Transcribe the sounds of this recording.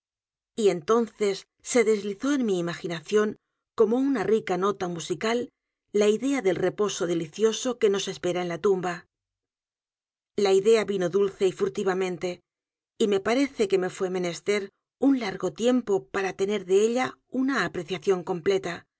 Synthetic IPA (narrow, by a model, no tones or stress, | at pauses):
ie̞nt̪o̞nθe̞sː | e̞ðe̞zliθo̞e̞nmiːmaxinaθjo̞ŋ | ko̞mo̞unarikano̞t̪amusikalː | aiðe̞aðe̞lre̞po̞so̞ðe̞liθjo̞so̞ke̞no̞se̞spe̞ɾaenlat̪umba | laiðe̞aβino̞ðulθe̞ifuɾt̪iβamẽ̞nt̪e̞ | ime̞paɾe̞θe̞ke̞me̞fwe̞mẽ̞ne̞st̪e̞ɾ | unlaɾɣo̞t̪je̞mpo̞paɾat̪e̞ne̞ɾðe̞eʎaunaːpɾe̞θjaθjo̞ŋko̞mple̞t̪a